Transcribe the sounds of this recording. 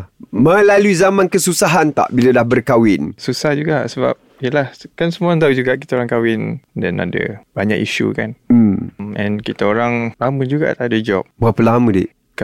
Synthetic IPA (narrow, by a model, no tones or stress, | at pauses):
məlaluizamãnkəsusaɦant̪a̰ʔbiladahbərkawɪnsusahd͡ʒuɡaʔsəba̰p̚jəlahkansəmuaŋt̪̬aud͡ʒuɡaʔki̥t̪aoɾaŋkawɪndɛna̰da̰baɲa̰kḭʃṵkan̩mmɛ̰̃nkit̪aoɾaŋlaməd͡ʒuɡa̰ʔt̪aadad͡ʒɔ̰p̚buapəlamə̃dḭʔ | k